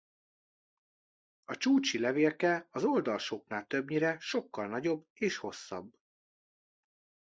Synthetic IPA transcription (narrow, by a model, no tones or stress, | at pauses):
ɒt͡ʃuːt͡ʃilɛveːrkɛɒzo̞ld̪ɒlʃoknaːlt̪ø̞bɲiɾɛʃo̞kːɒlnɒɟo̞bːeːʃho̞sːɒ̰bː